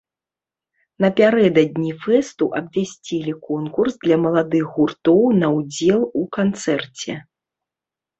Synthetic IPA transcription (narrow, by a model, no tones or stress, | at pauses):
nɐpʲaɾɛd̪ɐd̪̚ʲnʲifɛst̪uʔɐbvʲasʲt͡sʲilʲikɔnkursd̪lʲɐmɐlˠad̪ɨɣɣurt̪ɔwnɐwd͡zʲɛlˠukant̪sɛrt͡sʲɛ̰